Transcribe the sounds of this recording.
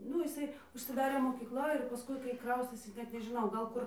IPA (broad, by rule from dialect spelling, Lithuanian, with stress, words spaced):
ˈnʊ ɪˈsɐɪ ʊʃʲsʲɪˈdɑːrʲeː moːkʲiːkˈlˠɐ ɪr pɐˈskʊɪ kɐɪ ˈkrɐʊsʲtʲeːsʲɪ ˈnʲɛt nʲɛʒʲɪˈnɐʊ ɡɐlˠ ˈkʊr